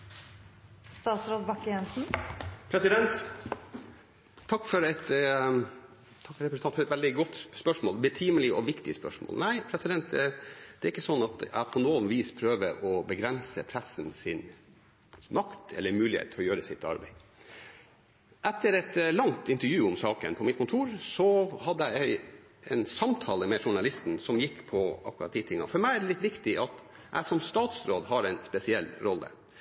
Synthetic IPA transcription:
st̪ɑːt̪sɾoːd̪bɑkːəjɛnsn̩pʰɾɛsɪd̪ɛnt̪ | t̪ʰːɑkːfɔɾɛt̪ | t̪ʰɑkːfɾɛpɾəsnɑnfɾɛt̪ʋɛld̪ɪɡɔt̪ːspœʂmoːlbət̪ʰiːməlɪʔɔʋɪkt̪ɪəspœ̰ʂmo̰ːlnæɪpʰɾɛsɪd̪ɛnt̪̚d̪̥ɛæɾɪkːəsɔnːɑt̪̚d̪ɛʔæ̰pʰɔnoːnʋiːspʰɾøːʋəɾʔɔbəɡɾɛnsəpʰɾɛsːnsɪn | mɑkt̪ʰɛ̰lːəɾmʉːlɪhḛːt̪t̪ʰɪlɔjøːɾəsɪt̪ːɑ̰ɾbæɪ | ʔɛt̪ːəɾɛt̪lɑŋt̪ɪnt̪əɾjʉːʊmsɑːkə̰npʰɔmɪt̪̚kʰʊnt̪ʰuːɾsɔhɑd̪ːəjæɪæɪ | ɛnsɑmt̪ʰɑːləmɛʂʊɳɑlɪst̪n̩sɔmjɪkːpʰɔɑ̰kʉɾɑt̪̚d̪iːt̪ʰɪŋːɑ̰fɔɾmæɪæɖɛlɪt̪ʋɪkt̪ɪʔɑt̪ | æ̰ɪsɔmst̪ɑːt̪sɾoːd̪ɦɑɾæɪnspɛsɪɛlːɾɔlːə̰

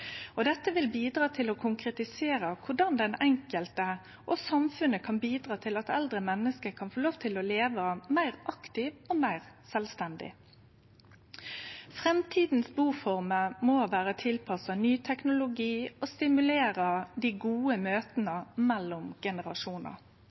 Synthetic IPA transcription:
ɔd̪ɛt̪ːəʋɪlbiːd̪ʁɑːt̪ʰɪlɔkʰʊŋkɾɛt̪ɪseːɾəkʰʊɖɑnd̪ɛnɛŋkəlt̪ə | ʔɔsɑmfʉnəkʰɑnbiːd̪ʁɑːt̪ʰɪlɑt̪ɛld̪ʁəmɛnːəskəkʰɑnfoːloːʋt̪ʰɪlɔleːʋəmæɪʁʔɑkt̪ɪːʋɔmæɪʁsɛlst̪ɛnd̪ɪ̰ | fʁɛmt̪ʰiːd̪n̩sbuːfɔʁməmoʋæːɾət̪ʰɪlpʰɑsɑnyːt̪ʰɛknʊlʊɡiːɔst̪ɪmʉleːʁəd̪iɡuːəmøːt̪ənəmɛlːʊmɡ̥ɛnəʁɑʂuːnə̰

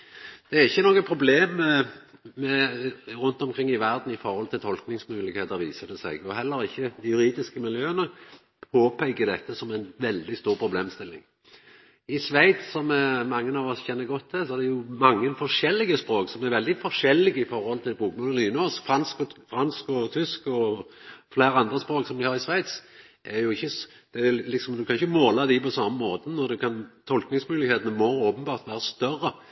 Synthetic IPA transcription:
d̪̥ɛæɾɪçːənoːɡəpʰɾʊbleːmɛmɛɾʊnt̪ɔmkʰɾɪŋːɪʋæʁd̪n̩ɪfɔɾhɔlt̪ʰɪlt̪ʰɔlknɪŋsmʉːlɪkheːt̪əʁʋḭːsəd̪ɛsɛ̰ɡɔhɛlːəɾɪçːəjʉɾiːd̪ɪskəmɪljøːənə | pʰoːpʰæɪkəd̪ɛt̪ːəsɔmæɪnʋɛld̪ɪst̪uːɾpʰɾʊbleːmst̪ɪlːɪ̰ŋ | ɪsʋæɪt̪sɔmɛmɑŋːənɑʋɔsçɛnːəɡɔt̪ʰːd̪ɛsɔæʁd̪ɛjʊmɑŋːənfɔʁʂɛlːɪɡəspɾoːksɔmæɾʋɛld̪ɪfɔʂɛlːɪɡəɪfɔɾhɔlt̪ʰɪlbʁuːkmʉːləliːnɔskfʁɑnskɔfɾɑnskɔt̪ʰʏskɔ | flæːɾəɑnd̪ɾəspɾoːksɔmd̪ɪhɑɾɪsʋæɪt̪s | ʔæɾjʊɪçːə | d̪̥ɛlɪksɔmd̪ʉkʰɑnɪçəmoːlɑd̪ɪpʰɔsɑmːəmoːt̪ənɔʁd̪ʉkʰɑnt̪ʰɔlknɪŋsmʉːlɪɡheːt̪ənəmɔoːpənbɑːʁt̪ʋæːʁəst̪œɾːə

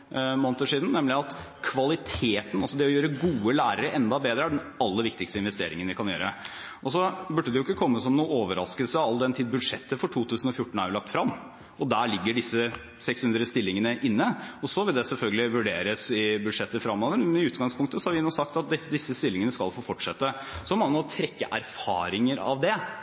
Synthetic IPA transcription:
moːnət̪oːʂiːd̪n̩nɛmlɪɑt̪ | kʰʋɑlɪt̪ʰeːt̪n̩ɑlsɔd̪ɛɔjøːɾəɡuːəlæːɾəɾəʔɛnd̪ɑbeːd̪ɾəæɖɛn | ɑlːəɾʋɪk̚t̪ɪkst̪əɪnʋɛst̪ḛːɾɪ̰ŋənʋɪkʰɑnjø̰ːɾə | ʔɔsɔbʉɖːəd̪ɛjʊɪkːəkʰɔmːəsɔmnuːəoːʋəɾɑ̰skəlsəɑld̪ɛnt̪ʰiːd̪bʉd̪ʂɛt̪ːəfɔʈʰuːt̪ʰʉːsn̩ɔfjʊʈːɳ̩æ̰ɾʋɪlɑk̚t̪fɾɑmː | ɔd̪æːɭɪɡːəɖɪsːə | sɛkshʉnd̪ɾəst̪ɪlːɪŋənəʔɪnːəɔsɔʋɪld̪ɛsɛlfœlɡəlɪʋʉɖḛːɾəsɪbʉʂɛt̪ːəfɾɑmːoːʋəɾɛnɪʉːt̪ɡɑŋspʰʊŋkt̪əsɔhɑɾʋɪnɔːsɑk̚t̪ɑt̪̚d̪d̪ɪsːəst̪ɪlːɪŋənəskɑlfoːfɔʈʂɛt̪ːə | sɔmɑnt̪ʰɾɛkːəʔæɾfɑ̰ːɾɪŋəɾɑ̰ʋd̪ɛ

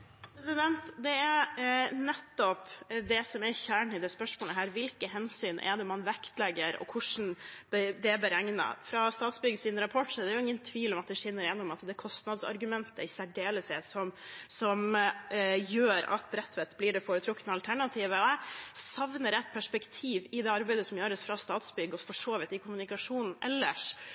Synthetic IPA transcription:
pɾɛsɪd̪ɛnt̪d̪ɛæɾnɛt̪ːɔpd̪ɛsɔmɛçæːɳɪd̪ɛspœʂmoːləɦæːɾʋɪlkəɦɛnsyːnʔɛ̰d̪ɛmɑnʋɛkt̪lɛɡːəɾɔ̰kʰʊʂn̩bd̪ɛːbəɾɛŋnə̰fɾɑst̪ɑːt̪sbʏɡəsɪnɾɑpʰɔʈːsɔd̪ɛæɾjʊɪŋːənt̪ʰʋiːlɔmɑt̪̚d̪ɛʂɛnːəɾɪjɛnːɔmɑt̪d̪ɛkʰɔst̪nɑd̪sɑ̰ɾɡʉmɛnt̪əɪsæɖeːləsɛsɔmsɔm | jøːɾɑ̰t̪̚bɾɛt̪ːʋɛt̪blɪːɖɛfoːɾət̪ʰɾʊkːnəɑlt̪ʰæɳɑt̪ʰiːʋəɔæsɑʋnəɾɛt̪̚ːpʰæʂpɛkt̪ʰiːʋɪd̪ɛːɑɾbæɪd̪əsɔmjøːɾəsfɾɑst̪ɑːt̪sbʏɡːəɔfɔʂoːʋɪt̪ɪkʰʊmʉnɪkɑʂuːnn̩ʔɛ̰lːəʂ

